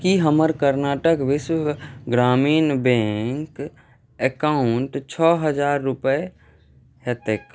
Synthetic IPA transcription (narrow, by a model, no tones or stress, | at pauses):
kiɦəməɾkəɾnaːʈəkʋɪswəɡɾaːmiːnbẽŋk | ekaʊʊɳʈt͡ʃʰɔːɦəd͡ʒaːɾːʊpəe | ɦet̪ek